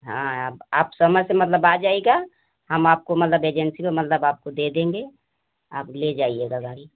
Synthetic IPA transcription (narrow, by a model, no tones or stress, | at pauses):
ɦãabaːpsəməsemət̪ləbad͡ʒaːeɡa | həmaːp̚komət̪ləbeːd͡ʒɛnsipemət̪ləbaːp̚kod̪ed̪ẽːŋɡe | a̰ːpled͡ʒaːieɡaɡaːɾi